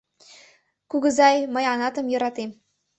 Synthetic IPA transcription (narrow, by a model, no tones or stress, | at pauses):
kuɡɤ̆zɑjmɤ̆jɑnɑt̪ɤ̆mjɤ̆ɾɑt̪em